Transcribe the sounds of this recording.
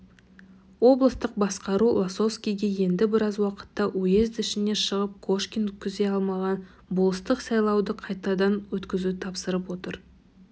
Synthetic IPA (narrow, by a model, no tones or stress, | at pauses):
wo̞blˠəst̪əq̚bɑsqɑɾulˠaso̞fskʲijɡʲeje̞nd̪ɪbɪɾɑzwɑqə̥t̪ːɑʔɵje̞zd̪ɪʃɪneʃəʁəp̚kʰoʃkʲinɵkʲːʰʏzd̪e̞ɑlˠmɑʁɑn | bʊlˠəst̪əqsɑjlˠɑwd̪əqʰɑjt̪ɑd̪ɑnwɵt̪kʲɪzut̪ʰɑpsəɾəpwo̞t̪əɾ